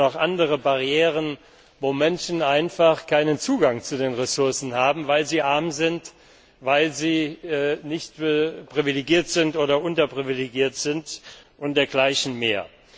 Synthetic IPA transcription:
ɔχʔandəʁəbaʁieːʁ̞ən | voːmɛnʃn̩aɪnfaχkʰaɪnənt͡suːɡaŋt͡sudeːnʁɛsʊɐsn̩haːbm̩vaɪlziːʔaɐmzɪnt | vaɪlziːnɪçtpʁ̥ivileɡiːɐtz̥ɪntʔoːɾɐʔʊntɐpʁ̥ivileɡiːɐtz̥ɪntʔʊntd̥eːɐɡlaɪçn̩meːɐ

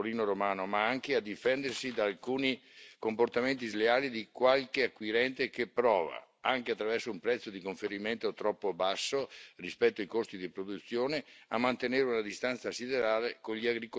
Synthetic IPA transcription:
oɾiːnoɾomaːnomaaŋkead̪ifɛnd̪ersid̪aːlkuːnikomport̪ament̪̬izleaːlid̪ikwalkeakːwiɾɛnt̪ekepːɾɔːva̰ | aŋkeat̪ːɾavɛrsoumpɾɛt̪sːod̪ikoɱfeɾiment̪ot̪ɾɔpːobasːorispɛt̪ːoajkost̪id̪ipɾod̪ut̪sːjoːnea̰mːant̪eneːɾeunad̪ist̪ant̪sasid̪eɾaːlekoɲʎiaɡɾiko

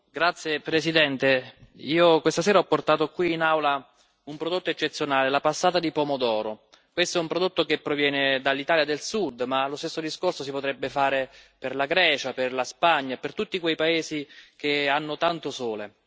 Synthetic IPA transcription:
ɡɾat̪sːjepɾesid̪ɛnt̪eiːokwest̪asɛːɾaɔpːort̪aːt̪okwiːnawla | umpɾod̪ot̪ːoet͡ʃːet̪sːjonaːlelapasːaːt̪ad̪ipɔmod̪ɔːɾo | kwest̪oɛumpɾod̪ot̪ːokepːɾovjɛːned̪alːit̪aːljad̪elsud̪ːmalost̪esːod̪iskorsos̬ipot̪ɾɛbːefaːɾeperlaɡɾɛːt͡ʃaperlaspaɲːapert̪ut̪ːikwejpaeːzik̟eanːot̪ant̪osoːle

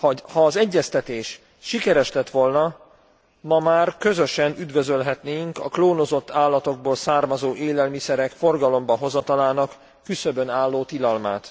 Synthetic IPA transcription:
hhɒːzɛɟːɛst̪ɛt̪eːʃ | ʃikɛɾɛʃlɛt̪ʋo̞lnɒ | mɒmaːrkø̞zø̞ʃɛnyd̪ʋø̞zølɦɛt̪neːjiŋkɒ̰kloːno̞zo̞t̪ːaːlːɒt̪o̞ɡ̚boːlsaːrmɒzoːʔeːlɛlmisɛɾɛkfo̞rɡɒlo̞mbɒɦo̞zɒt̪ɒlaːnɒkː | ysøbønaːlːoːt̪ilɒlmaːt̪

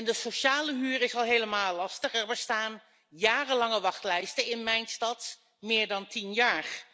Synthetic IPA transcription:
ɛndəsoʃaːləɦyːrɪsɑlˠɦejləmaːlːɑstəχɛɹbəstaːn | jaːrəlɑŋəʋɑχtlɛjstənɪnmɛjnstɑt | mɪːɹdɑntinjaːɹ

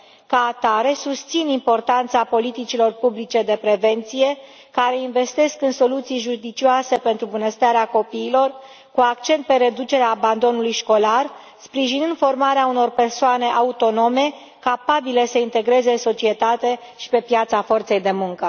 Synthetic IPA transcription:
kaːt̪aɾe̞sust̪sinimpo̞rt̪ant̪sapo̞lit̪it͡ʃilo̞rpublit͡ʃe̞d̪e̞pɾe̞ve̞nt̪sije̞ | kaɾe̞inve̞st̪e̞skɨnso̞lut̪sijʒud̪it͡ʃioase̞pe̞nt̪ɾubunəst̪aɾeako̞piːlo̞r | kuakt͡ʃe̞nt̪̚pe̞ɾe̞d̪ut͡ʃe̞ɾeaːband̪o̞nulujʃko̞lar | spɾiʒinɨnd̪fo̞rmaɾeauno̞rpe̞rsoane̞ʔaut̪o̞no̞me̞ | kapabiləsəint̪e̞ɡɾe̞zeɨnso̞t͡ʃie̞t̪at̪e̞ | ʃi̥pe̞pjat̪safo̞rt̪se̞jd̪e̞muŋkə

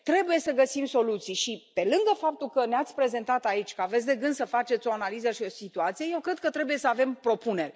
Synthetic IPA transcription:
t̪ɾe̞buje̞səɡəsimso̞lut̪sijʃipe̞lɨŋɡəfap̚t̪ulkəneat̪sʲpɾe̞ze̞nt̪at̪ait͡ʃʲkəavet̪ʲd̪e̞ɡɨnd̪səfat͡ʃe̞t̪sʲo̞analizəʃio̞sit̪uat̪sije̞je̞wkɾe̞d̪̚kət̪ɾe̞bujesəave̞mpɾo̞pune̞rʲ

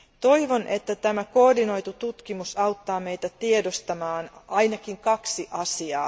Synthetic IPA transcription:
t̪o̞jʋonʔet̪ːæt̪æmækoːrdino̞jt̪ut̪ut̪kimusɑwt̪ːɑːme̞jt̪æt̪iedost̪ɑmɑːnɑjnɑkiŋkɑksiʔɑsiɑː

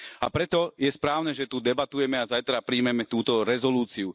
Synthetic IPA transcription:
a̰pɾɛt̪ɔjɛspɾaːʊnɛʒɛt̪ud̪ɛbat̪ujɛmɛazajt̪ɾapɾiːmɛmɛt̪uːt̪ɔɾɛzɔluːt͡siu

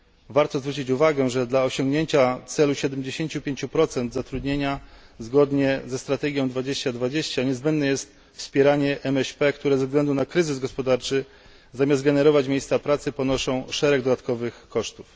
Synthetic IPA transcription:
vaɾt̪ɔzvɾut͡ɕit͡ɕuvaɡɛʐɛd̪laɔɕɔŋɡɲeɲt͡ɕat̪sɛluɕɛd̪ɛmd͡ʑeɕeɲt͡ɕupʲjeɲt͡ɕupɾɔt̪sɛnd̪zat̪ɾud̪ɲeɲazɡɔd̪ɲɛzɛst̪ɾat̪ɛɡʲjɔ̃w̃d̪vad͡ʑeɕt͡ɕad̪vad͡ʑeɕt͡ɕaɲɛzbɛnd̪nɛjɛst̪ | fspʲjɛɾaɲɛʔɛmɛɕpɛkt̪uɾɛzɛvzɡlɛnd̪unakɾɘzɘzɡɔspɔd̪aɾt͡ʂɘ | zamʲjazt̪̚ɡɛnɛɾɔvat͡ɕmʲejst̪sapɾat̪sɘpɔnɔʂɔ̃w̃ʂɛɾɛɡd̪ɔd̪at̪kɔvɘxkɔʂt̪uf

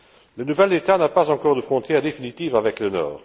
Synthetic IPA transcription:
lənuvɛld̪et̪anapazɑ̃kɔʁd̪əfχɔ̃t̪jɛʁd̪efinit̪iːvavɛklənɔ̰ːʁ

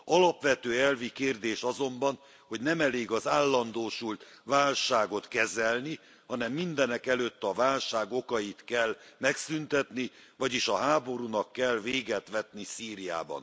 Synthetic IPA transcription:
ɒlɒpʋɛt̪øːɛlvikeːrd̪eːʃɒzo̞mbɒn | ho̞ɟnɛmɛleːɡɒzaːlːɒnd̪oːʃult̪ | ʋaːlʃaːɡo̞t̪kɛzɛlni | hɒnɛmːind̪ɛnɛkɛløt̪ːɒvaːlʃaːɡo̞kɒjit̪kɛlmɛksynt̪ɛt̪ni | vɒɟiʃɒɦaːbo̞ɾunɒkːɛlveːɡɛt̪ʋɛt̪nisiːɾija̰ːbɒ̰n

